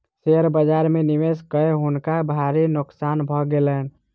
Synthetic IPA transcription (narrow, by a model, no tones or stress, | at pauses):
seɾbəd͡ʒaɾmeniʋeskəeɦunkabʱaɾinʊksanbʱɔɡelən